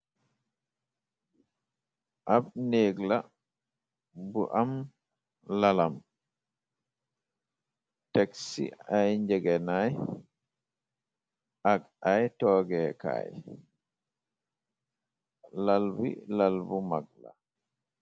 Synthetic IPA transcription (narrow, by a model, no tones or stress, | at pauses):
ʔabneːɡla | buʔam | lalam | tɛksḭajɲd͡ʒɛɡɛnaj | ʔaɡ | ajtɔːɡɛka̰j | lalwḭlalbuma̰ɡla̰